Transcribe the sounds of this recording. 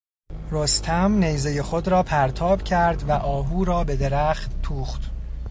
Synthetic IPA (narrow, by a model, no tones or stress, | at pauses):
ɾost̪ʰæmnejzeje̞xo̞d̪ɾɒːpʰæɾt̪ʰɒːb̥cʰæɾd̪væʔɒːbuːɾɒːbe̞d̪e̞ɾæχt̪̚t̪ʰuːχt̪